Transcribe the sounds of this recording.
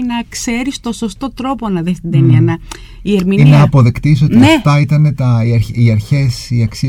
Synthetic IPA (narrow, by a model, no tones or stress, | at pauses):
nɐkse̞ɾist̪o̞so̞st̪o̞t̪ɾo̞po̞nɐðest̪id̪eniɐnɐ | ie̞ɾminiinɐːpo̞ðekt̪isot̪iɐeft̪ɐit̪ɐne̞t̪ɐiɐɾiɐɾçe̞siɐksi